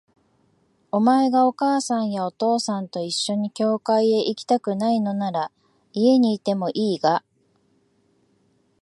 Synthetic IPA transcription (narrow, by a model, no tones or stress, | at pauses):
o̞mae̞ɡao̞kaːsãɰ̃jao̞t̪o̞ːsãnt̪o̞iɕːo̞ɲ̟ikʲo̞ːkaie̞ʔikʲi̥t̪akɯ̟naino̞naɾa | ie̞ɲ̟iːt̪e̞mo̞ʔiːɡa